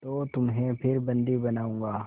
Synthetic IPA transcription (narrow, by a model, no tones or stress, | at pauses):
t̪oːt̪ʊmɦẽpʰɪɾbɐ̃nd̪ibɐnaːũːŋɡaː